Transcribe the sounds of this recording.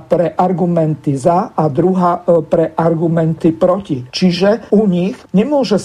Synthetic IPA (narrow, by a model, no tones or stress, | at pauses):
pɾɛʔaɾɡumɛnt̪izaad̪ɾuɦaːpɾɛʔaɾɡumɛnt̪ipɾɔcit͡ʃiʒɛuɲixɲɛmʊɔʒɛs